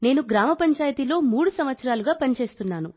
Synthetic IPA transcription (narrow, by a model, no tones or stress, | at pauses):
ne̞ːnuɡɾaːmɐpɐɲt͡ʃaːjɐt̪ilo̞ːmuːɽusɐmʋɐt̪sɐɾaːluɡaːpɐnit͡ʃe̞ːst̪unːaːnu